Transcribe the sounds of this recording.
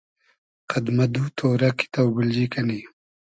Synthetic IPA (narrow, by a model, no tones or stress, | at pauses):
qad̪mad̪ut̪ʰoːɾaki̥t̪awbɪld͡ʒikani